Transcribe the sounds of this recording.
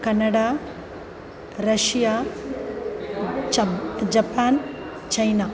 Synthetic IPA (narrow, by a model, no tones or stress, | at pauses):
kɐnːɐɽaː | ɾɐʂjaː | d͡ʒɐpaːn | t͡ʃɐjnaː